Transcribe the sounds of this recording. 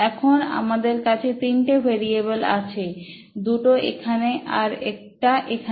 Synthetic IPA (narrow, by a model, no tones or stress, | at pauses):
ɛkʰona̰mad̪eɾkat͡ɕʰet̪inʈebʱeɾiebela̰t͡ɕʰe | d̪uʈoḛkʰaneʔaɾḛk̚ʈaʔekʰa